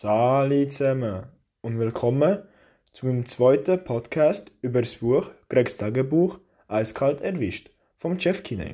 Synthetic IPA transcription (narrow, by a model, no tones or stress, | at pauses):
saːlit͡sɛmə | ʊntvɪlkʰɔmə | t͡sumɪmt͡sv̥ɔʏtəpʰɔtkʰaːstyːbəɾsb̥uəxɡ̥ɾɛkstʰaːɡəbuːχ | ʔaɪskʰaltɛɾvɪʃt | fɔmʃɛfkʰinɛ̰